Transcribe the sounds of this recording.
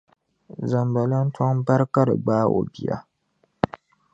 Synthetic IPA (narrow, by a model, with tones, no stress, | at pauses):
za˨mba˨la˦n̩˦twa˦ŋba˦ɾɨ˦ka˦ɾɨ̰˨ɡ͡baː˦o̰˨bi˨a̰˨